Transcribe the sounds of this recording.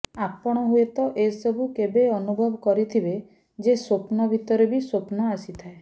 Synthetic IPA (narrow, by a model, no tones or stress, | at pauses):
apɔɽ̃ɔɦuet̪ɔʔesɔbʱukebeɔnubʱɔbɔkɔɾit̪ʰibe | d͡ʒeswopnɔbʱit̪ɔɾebiswopnɔasit̪ʰae